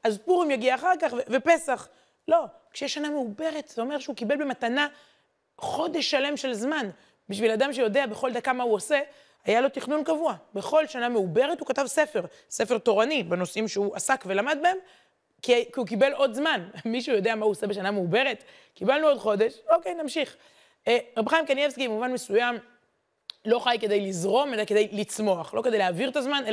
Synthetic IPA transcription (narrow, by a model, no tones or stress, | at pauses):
azpuʁimjaɡiaːχaʁkaχvevepe̞saχ | lo̞kʃejeʃːaname̞ube̞ʁet̪z̥eo̞me̞ʁʃeukibelbematana | χo̞de̞ʃːale̞mʃe̞lzman | biʃvilad̪amʃejo̞deabe̞χo̞ld̪akamauose̞ | ajalo̞t̪iχnunkavuabeχo̞lʃaname̞ube̞ʁetukatavsefe̞ʁ | sefeʁt̪o̞ʁanibeno̞simʃeuʔasakve̞lamad̪̚baem | kikiukibe̞lo̞d̪zmanmiʃujo̞d̪eamauose̞beʃanameube̞ʁet̪ | kibalnuo̞dχo̞d̪e̞ʃokejnamʃiχ | ʁabχajimkanjevskibemuvanmesujam | lo̞χajke̞d̪ejlizʁo̞me̞laked̪ejlit͡smo̞aχlo̞ked̪ejleːviʁet̪azmane